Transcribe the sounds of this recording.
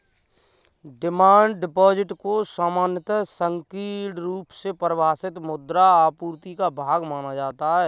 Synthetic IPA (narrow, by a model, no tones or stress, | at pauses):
ɖɪmaːɳɖɖɪpɔːd͡ʒɪʈkosaːmaːnjət̪sə̃ŋkiːʈɾuːpsepɾəʋaːsɪt̪mʊd̪ɾaaːpuːɾt̪ikabʱaːɡmaːnad͡ʒaːt̪aɦɛː